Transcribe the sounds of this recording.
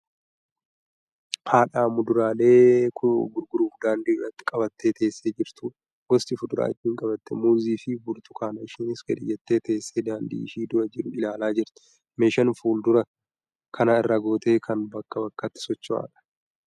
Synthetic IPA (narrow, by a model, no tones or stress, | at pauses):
pʰaːᶑaːmʊd̪ʊɾaːle̞ːkʰʊɡʊɾɡʊɾuːbd̪aːnd̪iːrːɐt̪ːɪ̥kʼɐbɐt̪ːe̞ːt̪ʰe̞ːsːeːd͡ʒɪɾt̪ʊ | wɔst̪ʼɪfʊd̪ʊɾa̰ːɪt̪ːiːŋkʼɐbɐt̪ːɛmuːziːfɪbʊɾt̪ʊ̥kʰaːnɐɪʃiːnɪskɛᶑ̪ɪ̰jːɛt̪ːe̞ːt̪e̞ːsːeːd̪aːnd̪ḭːɪʃiːd̪ʊɾɐd͡ʒɪɾʊɪlaːlaːd͡ʒɪɾt̪ɛ̥ | meːʃɐnfuːld̪ʊɾɐ | kʰɐnaːɪrːaɡo̞ːt̪e̞ːkʰɐnbɐkːɐbɐkːɐt̪ːɪ̥sɔt͡ʃːʊa̰ːᶑɐ̥